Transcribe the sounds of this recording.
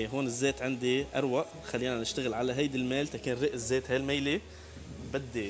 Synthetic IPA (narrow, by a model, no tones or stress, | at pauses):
ɦoːnɪzːeːt̪ʕɪnd̪iʔɑɾˤwaʔ | xalːiːnanɪʃt̪aɣɪlʕalaɦajd̪ɪlmeːlt̪akeːnɾiʔɪzːeːt̪halmejle | bɪd̪ːi